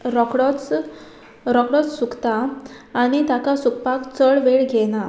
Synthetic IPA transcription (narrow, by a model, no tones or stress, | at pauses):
ɾɔkɽɔt͡s | ɾɔkɽɔt͡ssukt̪aː | ɽ̃it̪akasukpakt͡səɭʋeɭɡʱeña